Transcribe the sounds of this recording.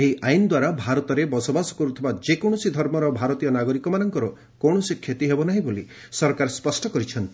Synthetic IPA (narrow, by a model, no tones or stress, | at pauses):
eɦiʔajnɔd̪waɾabʱaɾɔt̪ɔɾebɔsɔbasɔ̥kɔɾut̪ʰibad͡ʒekɔɳ̃ɔsid̪ʱɔɾmɔɾɔbʱaɾɔt̪ijɔnaɡɔɾikɔmanɔŋkɔɾɔ | kɔɳɔsikʰːet̪iɦebɔnaɦĩboli | sɔɾkaɾspɔsʈɔkɔɾit͡ʃʰɔnt̪i